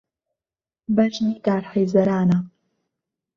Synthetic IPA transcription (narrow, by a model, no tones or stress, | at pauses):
bɐʒniːɡaːɾħɐjzɐɾaːnɐ